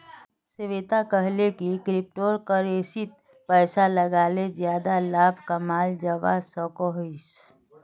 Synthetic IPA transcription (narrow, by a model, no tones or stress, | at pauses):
sɪʋet̪akəɦlekikɾɪp̚ʈoːɾkəɾeːsit̪̚ | pəːsaləɡaːled͡ʒjaːd̪alaːbʱkəmaːld͡ʒəʋa̰sɔkoɦis